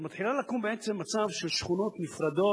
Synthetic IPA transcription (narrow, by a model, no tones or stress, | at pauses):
mat̪ħilalakumbeʔet͡semːat͡savʃelʃχuno̞t̪nifɾad̪o̞